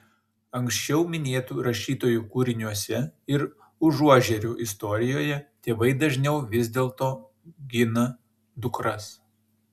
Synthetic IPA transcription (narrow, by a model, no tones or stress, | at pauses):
ɐŋʲksʲt͡ʃʲɛʊmʲɪnʲeːt̪uːɾɐʃʲiːt̪oːjuːkuɾʲɪnʲuɔsʲɛɪɾ | ʊʒuɔʒʲɛɾʲuʔɪst̪ɔɾʲɪjoːjɛt̪ʲeːʋɐɪd̪ɐʒʲnʲɛʊʋʲɪzʲd̪ʲeːlˠt̪oː | ɡʲɪnɐ | d̪ʊkɾɐs